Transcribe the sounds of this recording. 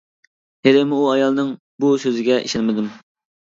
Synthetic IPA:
heɾɪmuɑjɑlˠnɨŋ | busøzɪɡʲɛʔḭʃɛnmɪd̪ɪm

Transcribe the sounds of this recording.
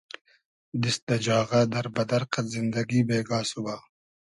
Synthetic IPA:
d̪isd̪ɐd͡ʒɑːɣad̪ɐɾbɐd̪ɐɾqat̪zɪnd̪ɐɡibeːɡɑːsuwa

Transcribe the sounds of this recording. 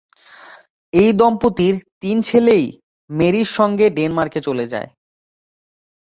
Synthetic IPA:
ejd̪ɔmpot̪iɾt̪int͡ɕʰelej | meɾiɾʃɔŋɡeɖenmaɾket͡ɕoled͡ʑa̰e

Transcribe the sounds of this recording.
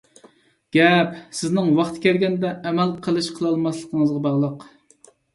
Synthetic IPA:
ɡ̥ʲɛpsɪznɪŋwɑχt̪ʰkʲɛɾɡʲɛnd̪ɛʔːmælqʰəlˠɨʃqʰəlˠɑlˠmɑslˠəqʰəŋəzʁɑbɑʁlˠəq

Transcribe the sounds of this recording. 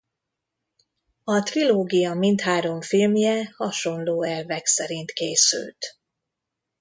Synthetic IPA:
ɒt̪riloːɡijɒmint̪haːɾo̞ɱfilmjɛhɒʃo̞nloːɛlvɛksɛɾint̪keːsy̰lt̪

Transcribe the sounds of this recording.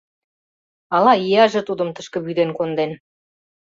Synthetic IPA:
ɑlɑijɑʒɤ̆t̪ud̪ə̆mt̪əʃkə̆βyd̪enkond̪en

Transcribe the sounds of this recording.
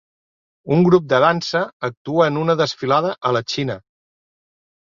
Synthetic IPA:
uŋɡɾup̚d̪əðansəːk̚t̪uəːnunəðəsfilaðəʔələt͡ʃinə

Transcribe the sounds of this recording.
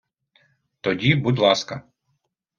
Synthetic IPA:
t̪ɔdʲibud̪lˠɑskɐ

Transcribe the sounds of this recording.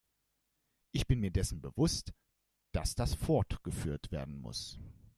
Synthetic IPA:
ʔɪçb̥ɪnmiːɐdɛsn̩bəvʊst | d̥asd̥asfɔɐtɡ̥əfyːɐtv̥eːɐdn̩mʊ̰s

